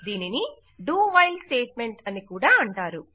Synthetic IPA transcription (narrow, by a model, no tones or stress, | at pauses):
d̪iːnini | ɖuːʋɐjlsʈeːʈ̚me̞ɳʈɐnikuːɽaːɐɳʈaːɾu